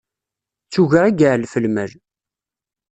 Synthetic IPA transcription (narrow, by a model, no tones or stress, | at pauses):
t͡sːuʝəʁiɡəʕlfəlməl